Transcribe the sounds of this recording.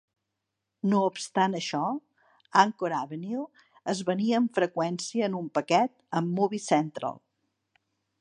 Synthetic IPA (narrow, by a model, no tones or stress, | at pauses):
noupst̪anəʃɔ | aŋkoɾaβənil | əzβəniəːɱfɾəkwɛnsiəːnumpəkɛt̪̚əmːuβisɛnt̪ɾə̰lˠ